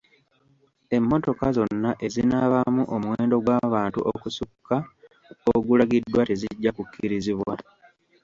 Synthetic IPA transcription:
e̞mːo̞to̞kazo̞nːaʔe̞zinaβamuʔomwe̞ːndo̞ɡwaːβaːntṵʔokusukːa | oɡulaɡidːwateziɟːakukʰːiɾiziβwa

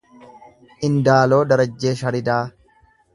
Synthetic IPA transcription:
ʔɪnd̪aːlo̞ːd̪ɐɾɐd͡ʒːe̞ːʃɐɾɪd̪aː

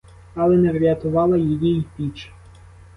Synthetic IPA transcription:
ɐlˠɛnɛʋɾʲɐt̪ʊʋɑlˠɐjijiipʲit͡ʃ

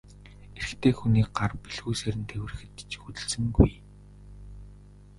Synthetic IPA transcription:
eɾɘ̆xt̪ʰeːxuniːk̚ɢarpiɮxuːjseɾɘ̆nt̪ʰewɘ̆r̆xɘ̆t̪t͡ɕxut̪ɘ̆ɮsɘ̆ŋɡuj

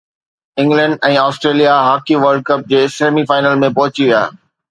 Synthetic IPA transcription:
ɪ̃ŋɡlɛ̃ɳɖɛ̃ːaːsʈɾeːlijaɦaːkiʋəɾɖ̚kɐp̚d͡ʑeːseːmifaːɪnəlmẽpɐɦʊt͡ɕiʋija̰ː

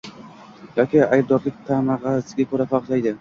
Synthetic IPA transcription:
jɒkʲɪajb̚d̪ɒɾlɪk̚ʲt̪ʰamɑʁɑsɪɡʲakʰɵɾafɑqd͡ʒajd̪ɪ

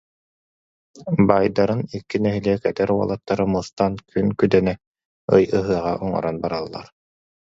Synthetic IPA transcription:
bajd̪aɾɯnikːinɛɦiliɛkɛt̪ɛɾuɔ̰lˠat̪ːaɾɯmust̪ankynkyd̪ɛnɛ | ɯjɯɦɯɐʁa̰ʔɔŋɔ̰ɾɔnbaɾalˠːa̰ɾ

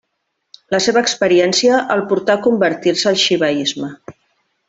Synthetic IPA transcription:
ləseβəːkspəɾiɛnsiəʔəlˠpuɾt̪akumbəɾt̪iɾsəːlˠʃiβəizmə

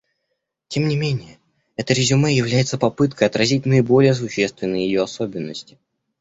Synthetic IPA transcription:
tʲe̞mnʲɪmʲenʲɪjə | ɛt̪əɾʲɪzʲʊmajɪvlʲæjɪt̪səpɐpɨt̪kəjɐt̪ɾɐzʲit̚ʲnəɪbo̞lʲɪjəs̬ʊɕːe̞st̪vʲɪnːəjjɪjo̞ɐso̞bʲɪnːəsʲtʲɪ̥

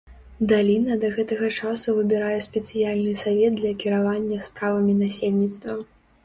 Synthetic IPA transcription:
d̪alʲinɐd̪ɐɣɛt̪ɐɣɐt͡ʂasuvɨbʲiɾajɛsʲpʲɛt̪sɨjalʲnɨsavʲɛd̪̚d̪lʲɐkʲiɾavanʲːɐspɾavɐmʲinasʲelʲnʲit̪st̪vɐ

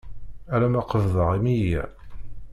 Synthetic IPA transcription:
ælæmɑqəvðˤəʁimijiʕ

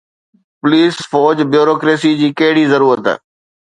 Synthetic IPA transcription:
pʊliːsfɔːd͡ʑbjuːɾoːkɾeːsid͡ʑiːkɐɦɪɽiːzəɾuːɾət̪ː

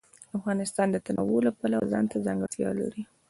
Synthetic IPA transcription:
afɣɑnɪst̪ɑnd̪ət̪anʔawolapɑlazɑnt̪azaŋɡat̪jɑ̰la̰ɾi

